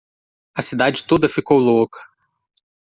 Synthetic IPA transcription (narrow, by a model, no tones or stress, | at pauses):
ɐsid̪ad͡ʒɪt̪od̪ɐfikowlokɐ̥